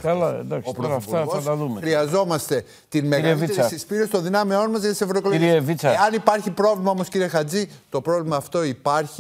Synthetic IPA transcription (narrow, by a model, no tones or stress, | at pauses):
ɐlɐḛd̪ɐksopɾoofuɐɣoɐst̪ɐðumexɾiɐzo̞mɐst̪e̞ | t̪inme̞ɣvieɐsispiɾest̪o̞nðinɐmeo̞nmɐzʝɐt̪isevɾokoloiɾievit͡sɐeɐnipɐɾçipɾo̞vlimɐo̞mo̞sciɾiexɐd͡zit̪o̞pɾo̞vlimɐːft̪o̞ipɐɾçi